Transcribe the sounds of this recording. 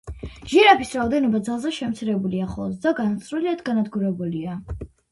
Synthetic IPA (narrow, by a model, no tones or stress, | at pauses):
ʒɛɾapʰisɾaɔd̪ɛnɔbad̪zalˠzɛʃɛmt̪sʰiɾɛbuliaχɔ̰lˠzd̪aɡanat̪sʼɾuliad̪ɡanad̪ɡuɾɛbulia